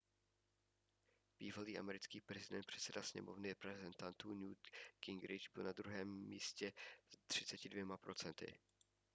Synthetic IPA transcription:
b̥iːvaliːʔa̰mɛɾɪt͡skiːpɾɛzɪdɛnt̪pr̥ɛ̥t̪t͡sɛdasɲɛ̰movnɪɾɛpɾɛzɛnt̪ant̪uːnuːt̪kɪŋɡɾɪd͡ʒbɪlnad̪ɾuɦɛːmːiːscɛt̪r̝̥ɪt͡sɛcɪdvjɛmapɾo̞t͡sɛnt̪ɪ̰

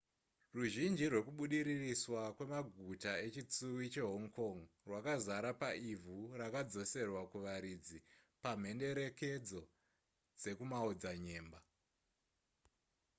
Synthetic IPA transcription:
ruʒind͡ʒirwe̞kuɓuɗiɾiriswakwe̞maɡʱutae̞t͡ʃit͡suwit͡ʃe̞ɦoŋkoŋrwakazaɾapaivʱurakad͡zo̞se̞rwakuʋaɾid͡zipam̤e̞nde̞ɾe̞ke̞d͡zo̞ | d͡ze̞kumaod͡zaɲe̞ːmba

